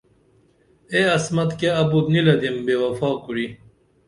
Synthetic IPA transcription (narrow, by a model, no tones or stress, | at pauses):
eɐsmɐt̪keɐbud̪nilɐd̪imbewɐfaːkuɾi